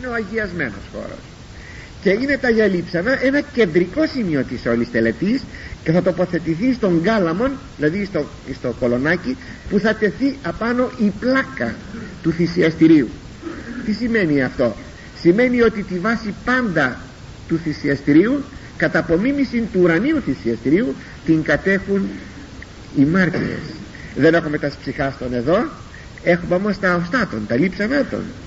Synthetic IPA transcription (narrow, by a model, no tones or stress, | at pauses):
ineoɐʝiɐzme̞̰no̞̰sxo̞̰ɾo̰s | ce̞ine̞t̪ɐʝɐlipsɐnɐʔe̞nɐce̞nd̪ɾiko̞simio̞t̪iseo̞list̪e̞le̞t̪isce̞θɐt̪o̞po̞θe̞t̪iθist̪o̞ŋɡɐlɐmo̞nðilɐðist̪o | ist̪o̞ko̞lo̞nɐci | puθɐt̪e̞θiɐpɐno̞ʔiplɐkɐ̰ | t̪uθisiɐst̪iɾiu | t̪isime̞niɐft̪o̞ | sime̞nio̞t̪it̪ivɐsipɐnd̪ɐ | t̪uθisiɐst̪iɾiu | kɐt̪ɐpo̞mimisint̪uːɾɐniuθisiɐst̪iɾiu | t̪iŋɡɐt̪e̞xun | imɐɾt̪ḭḛs | ðe̞ne̞xume̞t̪ɐspsixɐst̪o̞ne̞ðo̞ | e̞xumeo̞most̪ɐost̪ɐt̪o̞nt̪ɐlipsɐnɐt̪o̰n